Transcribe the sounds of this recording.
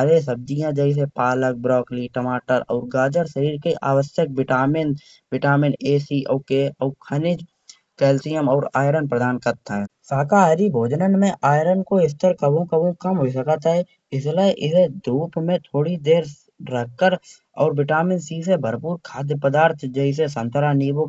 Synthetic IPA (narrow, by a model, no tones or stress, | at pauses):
aɾes̬əb̚d̪ijãd͡ʒɛɪs̬epaːlək̚bɾɔːkliʈəmaːʈəɾɔ̰ːɾɡaːd͡ʒəɾʃəɾiːɾkeʔaːʋəsjək̚bɪʈaːmɪn | bɪʈaːmɪneːsiʔoːkeɔːkʰənɪd͡ʒ | kɛːlsijəmɔːɾaːjɾənpɾəd̪aːnkəɾt̪ʰɛ̃ːsaːkaɾibʱoːd͡ʒnənmẽʔaːjɾənkoɪs̬t̪əɾkəbõkəbõkəmɦois̬əkət̪ɛ | ɪsləʔɪsed̪uːpmẽt̪ʰoːɽid̪eːɾ | ɾəkkːəɾ | ɔːɾbɪʈaːmɪnsiːs̬ebʱəɾpuːɾkʰaːd̪jəpəd̪aːɾt̪ʰd͡ʒəɪs̬esə̃nt̪ʰəɾaniːbo